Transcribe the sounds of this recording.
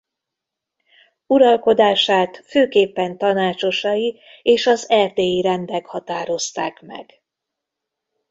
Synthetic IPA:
uɾɒlko̞d̪aːʃaːt̪føːkeːpːɛnt̪ɒnaːt͡ʃo̞ʃɒji | eːʃɒzɛrd̪eːjiɾɛnd̪ɛkhɒt̪aːɾo̞st̪aːkmɛ̰ɡ̥

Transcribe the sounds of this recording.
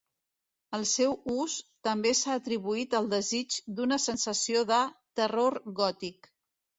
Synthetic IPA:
əlˠsɛwust̪əmbesaːt̪ɾiβuit̪əlˠd̪əzid͡ʒd̪unəsənsəsioðət̪əroɾɣɔt̪ik

